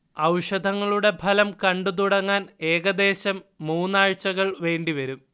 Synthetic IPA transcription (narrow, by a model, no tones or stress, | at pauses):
ɐwʂɐd̪ʱɐŋːɐɭuɽe̞pʰɐlɐmkɐɳɖut̪̬uɽɐŋːaːne̞ːɣɐd̪e̞ːɕɐmːuːnːaːɻt͡ɕːɐɣɐɭʋe̞ːɳɖiʋɐɾum